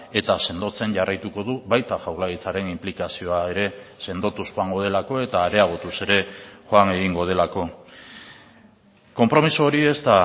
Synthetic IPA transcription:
e̞t̪ase̞nd̪o̞t͡se̞nɟarajt̪uko̞ðuβajt̪axawlaɣit͡saɾe̞nimplikasio̞ae̞ɾe̞se̞nd̪o̞t̪usxoaŋɡo̞ð̞e̞lako̞e̞t̪aːɾe̞aɣ̞ot̪use̞ɾe̞ʝo̞aŋe̞ɣ̞iŋɡo̞ð̞e̞lako̞ | ko̞mpɾo̞misuoɾie̞st̪a

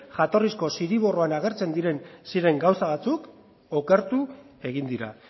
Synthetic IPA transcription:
ʝat̪o̞risko̞siɾiβ̞o̞roanaɣ̞e̞ɾt͡se̞nd̪iɾe̞nsiɾe̞ŋɡawsaβ̞at͡suk | oke̞ɾt̪u | e̞ɣ̞ind̪iɾa̰

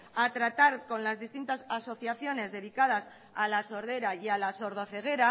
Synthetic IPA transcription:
at̪ɾat̪aɾko̞nlazðist̪int̪asaso̞θjaθjo̞ne̞zðe̞ðikað̞as | alaso̞ɾðe̞ɾaialaso̞ɾð̞o̞θe̞ɣ̞e̞ɾa

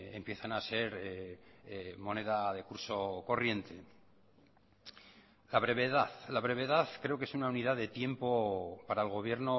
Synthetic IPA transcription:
empje̞θanase̞ɾ | mo̞ne̞ðaðe̞kuɾso̞ko̞rje̞nt̪e̞ | laβ̞ɾe̞βe̞ðaθlaβ̞ɾe̞βe̞ðaθkɾe̞o̞ke̞sunauniðaðe̞t̪je̞mpo̞paɾaelɣ̞o̞β̞je̞ɾno

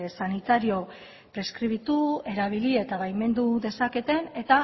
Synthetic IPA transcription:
sanit̪aɾio̞ | pɾe̞skɾiβ̞it̪ue̞ɾaβ̞ilie̞t̪aβajme̞nd̪uðe̞sake̞t̪e̞ne̞t̪a

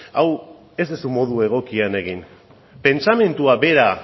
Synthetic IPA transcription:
aw | e̞zd̪esumo̞ð̞ue̞ɣ̞o̞kiane̞ɣ̞in | pe̞nt͡same̞nt̪uabe̞ɾa

